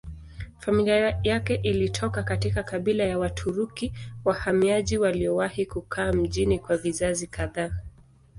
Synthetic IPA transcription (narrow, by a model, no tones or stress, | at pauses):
familiajakɛʔilitʰɔkakatikakaɓilajawatʰuɾukiwahamiaʄiwaliɔwahikukʰaːm̩ʄinikwavizazikaðaː